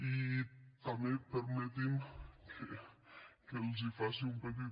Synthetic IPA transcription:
it̪amepeɾmet̪imkʰe | kelz̬ifasiumpet̪̬i

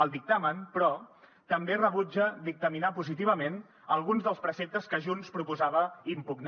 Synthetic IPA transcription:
əlˠd̪ik̚t̪amənpɾɔ | t̪əmberəβud͡ʒədik̚t̪əminapuzit̪iβ̞əmen | əlˠɣunzðəlˠspɾəsep̚t̪əskəʒunspɾupuzaβəimpuɡn

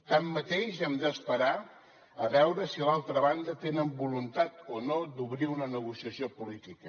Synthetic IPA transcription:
t̪amːət̪eʃɛmd̪əspəɾa | əβɛwɾəsilalˠt̪ɾəβand̪ət̪enəmbulunt̪at̪onod̪uβɾiunənəɣusiəsiopulit̪ikə

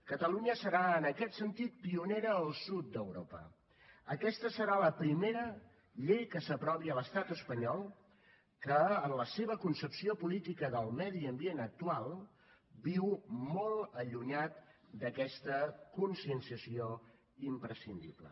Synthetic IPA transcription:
kət̪əluɲəsəɾaənəkɛt̪sənt̪it̪̚piuneɾəːlˠsut̪̚d̪əwɾopə̰ | əkɛst̪əsəɾaləpɾimeɾə | ʎejkəsəpɾɔβiələst̪at̪əspəɲɔlˠ | kəənləseβəkunsəpsiopulit̪ikəðəlˠmɛðiəmbienək̚t̪ualˠ | biwmɔlˠəʎuɲat̪̚d̪əkɛst̪əkunsiənsiəsio | impɾəsind̪ḭblə̰

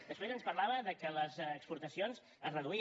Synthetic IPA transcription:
d̪əspɾezənspəɾlaβəðəkələzːkspuɾt̪əsionz | əzrəðui

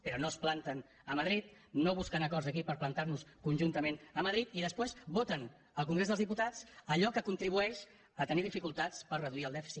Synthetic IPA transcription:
pəɾɔnosplant̪ən | əməðɾit̪noβ̞uskənəkɔɾzəkipəɾplənt̪aɾnuskunʲʒunt̪əmenəməðɾit̪iðəspwezβot̪ən | əlˠkuŋɡɾezðəlzðiput̪at͡səʎɔkəkunt̪ɾiβ̞uɛʃ | ət̪əniðifikulˠt̪at͡spəɾrəðuiəlˠd̪ɛfi̥sit̪

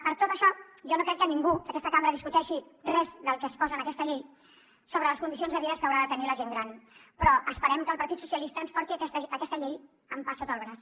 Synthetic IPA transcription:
pəɾt̪ot̪əʃɔʒɔnokɾɛkːəniŋɡukəkɛst̪əkambəɾəðiskut̪ɛʃirɛzðəlˠkəspɔzənəkɛst̪əʎej | soβɾələskund̪isionzðəβiðəskəːwɾaðət̪əniləʒeŋɡɾanpɾɔʔəspəɾɛmkəlˠpɐɾt̪it̪su̥sjəlist̪ənspɔɾt̪ikɛsəəkɛst̪əʎej | əmpasot̪olβɾəs

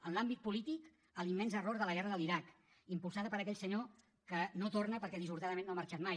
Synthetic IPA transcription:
ənlambit̪̚pulit̪ik | əlimːɛnzəroɾðələɣɛrəðəliɾak | impulˠsaðəpəɾəkɛʎsəɲo | kənot̪ornəpəɾkɛðizβuɾt̪aðəmẽnːoaməɾt͡ʃat̪maj

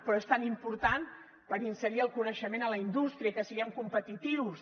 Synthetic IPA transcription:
pɾɔest̪animpuɾt̪an | pəɾinsəɾiəlˠkunəʃəmenələind̪ust̪ɾiəkəsiəŋkumpət̪it̪iws

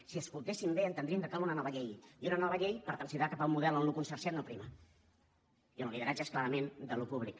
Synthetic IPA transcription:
siəskulˠt̪esimbeənt̪ənd̪ɾiəŋkəkalunənɔβəʎejiunənɔβəʎejpəɾt̪ɾənsiðakapaumːuðɛlˠonlukunsəɾsjat̪nəpɾimə | iəlliðəɾad͡ʒəesklaɾəmend̪əlupuβlik

